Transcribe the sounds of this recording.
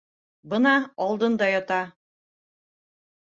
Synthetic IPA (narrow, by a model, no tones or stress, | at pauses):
bɤnɑːlˠd̪ɤnd̪ɑjɒt̪ɑ